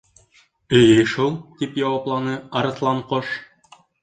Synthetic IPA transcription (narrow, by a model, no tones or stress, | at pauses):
ɘ̆jɘʃulˠt̪ipjɑwɑplˠɑnɤɑɾɤ̆t̪lˠɑɴqoʃ